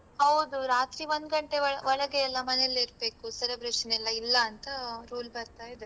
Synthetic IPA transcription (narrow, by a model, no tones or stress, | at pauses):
hɐwd̪uɾaːt̪ɾiʋo̞nd̪ɡɐɳʈe̞ɐɭʋɔɭɐɡeːlːɐmɐnelːeiɾbe̞ːkusɛlɐbɾeʂɐnɛlːɐilːɐːnt̪ɐɾuːlbɐɾt̪aːjid̪e